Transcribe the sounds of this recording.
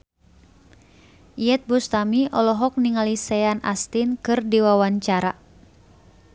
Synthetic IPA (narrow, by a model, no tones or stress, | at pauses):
ijɛt̪̚bust̪amiʔɔlɔɦɔk̚niŋalisɛana̰st̪inkɨrdiwawaɲt͡ʃaɾa